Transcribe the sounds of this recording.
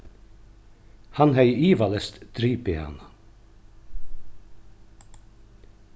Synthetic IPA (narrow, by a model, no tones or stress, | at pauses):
hɑnhæɪʔiːʋɑlɛst̪d̪̥ɾiːpɪɑ̰ːnɑ